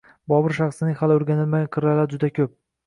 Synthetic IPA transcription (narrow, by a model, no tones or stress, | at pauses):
bɒbɪɾʃɑχsɪnɪhalɪoɾɡʲanɪlmaɡʲanqʰɨɾalaɾd͡ʒʊd̪akʲʰɵp̚